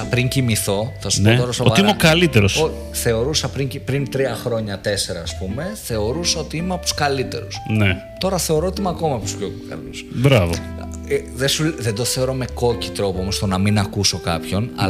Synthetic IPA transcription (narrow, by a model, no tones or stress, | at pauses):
pɾiɲcimiθo̞θɐsu̥pot̪oɾɐsovoɐɾiimeokɐlit̪eɾosoçiθe̞o̞ɾusɐpɾiɲcipɾint̪ɾiɐxɾo̞ɲɐt̪e̞se̞ɾɐːspume̞θe̞o̞ɾusɐot̪iimeɐp̚t̪u̥skɐlit̪e̞̰ɾusne | t̪o̞ɾɐθe̞o̞ɾo̞ot̪iimɐko̞mɐpt̪usçokukɐ̰lusbɾɐvo̰ | ðesuðend̪o̞θe̞oɾo̞meko̞ci̥t̪ɾo̞pomost̪o̞nɐminɐkuso̞kɐpço̞nɐ̰